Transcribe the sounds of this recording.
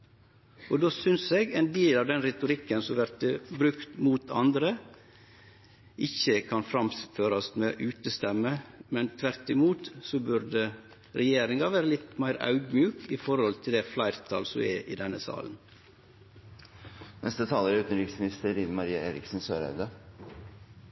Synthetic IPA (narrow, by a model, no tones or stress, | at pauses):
od̪oːsʏnseːɡeːnd̪eːlɑːʋd̪ɛnɾɛt̪ʊɾɪkːənsɔmʋæɾt̪̚d̪əbɾʉkt̪muːt̪ʰɑ̰nd̪ɾə | ʔɪçəkʰɑnfɾɑmføːɾɑst̪meːʔʉːt̪əst̪ɛmːəmɛnt̪ʰʋæɾt̪ɪmuːt̪sɔbʉɾd̪ə | ɾɛjeːɾɪŋɑʋæːɾəlɪt̪mæɪɾɑ̰ʉɡ̪mjʉːkɪfɔɾhɔlt̪ʰɪld̪ɛflæɪɾt̪ʰɑ̰ːlsɔmɛ̰ʔɪ̰d̪ɛnːəsɑ̰ːlən | nʔɛst̪ət̪ʰɑːləɾʉːt̪nɾɪksmɪnɪst̪əɾɪnmɑɾiːɑeːɾɪ̰ksn̩søːɾœ̰ʉd̪ə